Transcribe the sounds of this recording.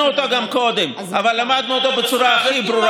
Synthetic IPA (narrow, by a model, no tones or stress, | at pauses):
uot̪oɡamko̞d̪em | ʔavalːamad̪nuot̪o̞bet͡suɾaaχibɾuɾ